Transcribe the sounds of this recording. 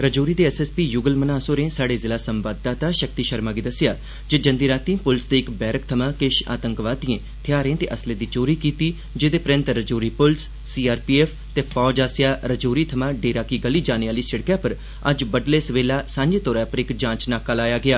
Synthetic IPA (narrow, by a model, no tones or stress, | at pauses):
ɾəd͡ʒoːɾiːd̪eːɛːsɛːspiːjʊɡəlmənaːsoːɾẽːsaːɽeːzɪlaːsəmʋaːd̪̚d̪aːt̪aːʃək̚t̪iːʃəɾmaːɡiːd̪əsɪjaː | d͡ʒed͡ʒə̃nd̪iːɾaːt̪ĩpʊlsd̪eːɪkbɛːɾəkt̪ʰəmãːkɪʃa̰ːt̪ə̃ŋkʋaːd̪ijẽː | t̪ʰɪjaːɾẽːt̪eːʔəsleːd̪iːt͡ʃoːɾiːkiːt̪iː | d͡ʒeːd̪eːpɾə̃nt̪ɾəd͡ʒoːɾiːpʊlsːiːaːɾpiːeːpʰt̪eːpʰɔːd͡ʒaːsɪjaːɾəd͡ʒoːɾiːt̪ʰəmãːɖeːɾaːkiːɡəliːd͡ʒaːneaːliːsəɽkjaːpəɾ | əd͡ʒbəɖleːsəʋeːlaːsãːɲd͡ʒeːt̪ɔːɾaːpəɾɪkd͡ʒãːt͡ʃnaːkaːlaːjaːɡɪaː